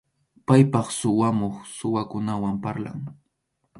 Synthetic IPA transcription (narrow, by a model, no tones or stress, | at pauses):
pajpɑχsʊwamoχsʊwakʊnawampaɾla̰ŋ